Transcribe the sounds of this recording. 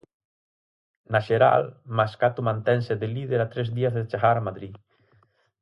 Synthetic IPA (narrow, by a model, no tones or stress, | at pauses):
naʃeɾa̰lmaskat̪umãnt̪ɛnsed̪elið̞eɾat̪ɾɛzðiazðet͡ʃaɣaɾamaðɾi